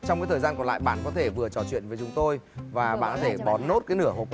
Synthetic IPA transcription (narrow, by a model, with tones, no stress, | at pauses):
t͡ɕɔ˧wŋ͡mkaː˨˦t̪əː˨˩zaː˧nkɔ˨˩nla̰ː˧˨jɓa̰ː˧˨nkɔ˨˦t̪ʰe˧˩vɨ˨˩ə˩t͡ɕɔ˨˩t͡ɕwḭ˧˨ənve˨˦t͡ɕʊ˨˦ŋ͡mt̪o˧jvaː˨˩ɓa̰ː˧˨nkt̪ʰe˧˩ɓɔ˨˦nno˦˥t̚kaː˨˦jnɨ˧˩əɦo̰˨˩